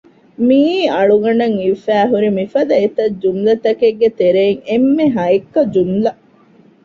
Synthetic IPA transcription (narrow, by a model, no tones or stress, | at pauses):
miːɐɭuɡɐnɐŋiʋfæːɦuɾimifɐd̪ɐet̪ɐd͡ʒunlɐt̪ɐkeɡːet̪eɾeːŋemːeɦɐekːɐd͡ʒunlɐ